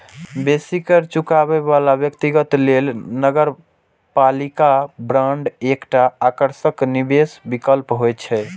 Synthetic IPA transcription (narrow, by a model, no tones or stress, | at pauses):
besikəɾt͡ʃukabebalabjəkt̪iɡət̪lelnəɡəɾ | palikabɾaɳɖekʈaːkəɾsəknibesbikəlpɦojt͡ʃʰɛ